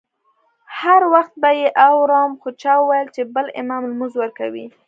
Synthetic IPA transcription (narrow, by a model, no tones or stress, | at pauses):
haɾwaxt̪̚bajeʔawɾɑmxʊt͡ʃawəwajəlt͡ʃebəlɪ̰mamlmuzwəɾkawḭ